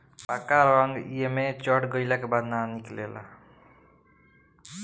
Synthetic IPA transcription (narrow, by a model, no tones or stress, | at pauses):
pakaɾaŋɡḭjemet͡ʃʌʈɡʌjlakabad̪naniklela̰